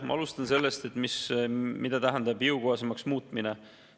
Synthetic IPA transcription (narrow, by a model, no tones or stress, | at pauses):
mʔɑ̰ɑlust̪ɑnse̞lːe̞st̪e̞t̪ːˑmismid̪ɑt̪æɦænd̪ɑbiukoɦɑsemɑksmuːt̪ˑmine